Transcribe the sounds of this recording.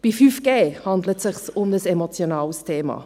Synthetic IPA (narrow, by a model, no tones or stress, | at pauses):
b̥ifyːfɡ̥eːhɑndlətsɪχsʊmdəsɛmot͡sjonɑːlstʰeːmɑ̰ː